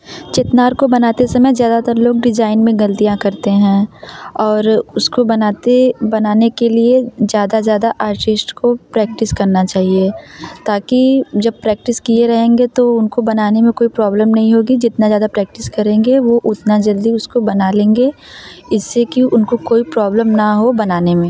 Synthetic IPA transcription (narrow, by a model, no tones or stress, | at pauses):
t͡ʃɪt̪naːɾkobɐnaːt̪esɐməjzjaːd̪at̪ɐɾloːɡ̚ɖɪd͡ʒaːɪnmẽɡɐlt̪ijãkɐɾt̪eɦɛ̃ːɔːɾʊskobɐnaːt̪ebɐnaːnekeliezjaːd̪azjaːd̪aʔaːɾʈɪsʈkopɾɛːk̚ʈɪskɐɾnat͡ʃaːɦiet̪aːkid͡ʒɐb̚pɾɛːk̚ʈɪskieɾɐɦẽːŋɡet̪oʊnkobɐnaːnemẽkoːipɾɔːbləmnɐɦĩɦoːɡid͡ʒɪt̪nazjaːd̪apɾɛːk̚ʈɪskɐɾẽːŋɡeʋoʔʊt̪nad͡ʒɐld̪iʊskobɐnalẽːŋɡe | ɪsːekiʊnkokoːipɾɔːbləmnɐɦobɐnaːnemẽː